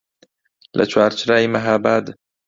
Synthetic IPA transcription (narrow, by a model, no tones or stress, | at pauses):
lʔa̰t͡ʃwaːɾt͡ʃɾaːjmaɦaːbaːd̪